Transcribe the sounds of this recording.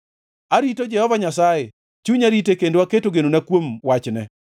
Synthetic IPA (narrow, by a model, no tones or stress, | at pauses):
aɾitod͡ʒɛhɔvaɲasaje | t͡ʃuɲaɾitekendowaketoɡenonakwomwat͡ʃnɛ